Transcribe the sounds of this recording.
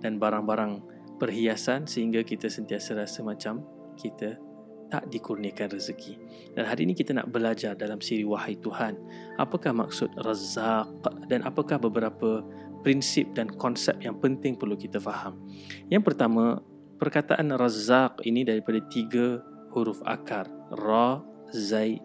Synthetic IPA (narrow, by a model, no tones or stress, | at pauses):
danbaɾaŋbaɾaŋ | pərɦiasansəhiŋɡakit̪asənt̪iasəɾasəmãt͡ʃam | kit̪a | t̪a̰ʔdikurniakanrəzəkʰi | d̥anɦaɾiːnikit̪ana̰ʔbəlad͡ʒardalamsiɾiwahajt̪uhan | a̰pakahma̰k̚sʊt̪̚razaq̚danʔapakahbəbəɾapə | pɾinsɪp̚dankɔnsɛp̚jaŋpənt̪ɪŋpərlukit̪afaham | jaŋpərt̪amã | pərkat̪aʔanrazaq̚ḭnidaɾipadat̪iɡə | huɾufa̰karrɔ | zaj